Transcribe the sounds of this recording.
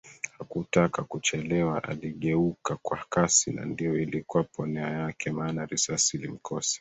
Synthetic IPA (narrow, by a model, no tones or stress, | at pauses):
hakutakakut͡ʃɛlɛwaʔa̰liɠɛukakwakasina̰ndijɔilikuwapʰɔnɛajakɛmaːnaɾisasilim̩kʰɔsi̥